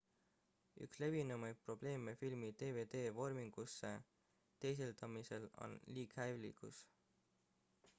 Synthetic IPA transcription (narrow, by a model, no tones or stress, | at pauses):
y̰ksle̞vinumɑjd̪̚pro̞b̥le̞ːme̞filmit̪e̞ːve̞ːd̪̥e̞ːvo̞rmiŋɡ̥usːe̞ | t̪e̞js̬eld̪̥ɑmise̞lo̞̰nliːkhælḭkus